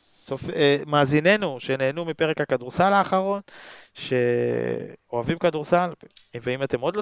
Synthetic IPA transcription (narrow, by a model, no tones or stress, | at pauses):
sofemaːzine̞nuʃe̞ne̞ːnumipe̞ʁekhakaduʁsalaːχaʁo̞nʃe̞ | oavimkaduʁsalveimate̞mo̞dlo